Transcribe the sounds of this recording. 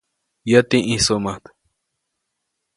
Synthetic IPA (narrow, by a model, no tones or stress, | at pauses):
jat̪iʔĩsomat̪